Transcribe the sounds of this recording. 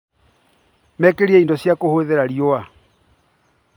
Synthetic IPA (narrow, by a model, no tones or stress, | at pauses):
mɛkeɾiɛindɔsjakohoðeɾaɾioa